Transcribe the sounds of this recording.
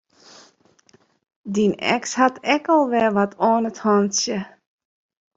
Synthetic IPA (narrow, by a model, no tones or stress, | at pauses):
dinɛ̰kshatʰɛkɔlˠʋɛʋatʰoːnəthɔntsjə